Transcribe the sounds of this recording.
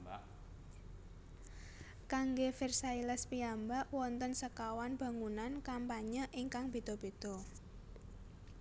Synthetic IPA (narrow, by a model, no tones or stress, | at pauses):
kaŋɡefirsailəspiambaʔwɔnt̪ənsəkawanb̥a̤ŋunankampaɲəʔiŋkaŋb̥e̤t̪ɔb̥e̤t̪ɔ